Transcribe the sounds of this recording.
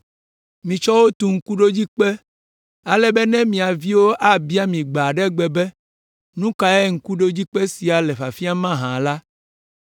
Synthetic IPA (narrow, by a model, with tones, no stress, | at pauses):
mĩ˨t͡ʃɔ˦wo˦t̪u˨ŋ̩˦ku˦ɖo˦d͡ʑi˦k͡pɛ˦ | a˨lɛ˦bɛ˦nɛ̃˦mĩ˨a˨vi˦wo˦ʔa˦bi˦a˦mĩ˨ɡ͡ba˨ɖɛ˦ɡ͡bɛ˨bɛ˦ | nũ˦ka˨ɛ˦ŋ̩˦ku˦ɖo˦d͡ʑi˦k͡pɛ˦si˨a˨lɛ˨ɸa˨fi˦a˦mã˦ɦã˨la˦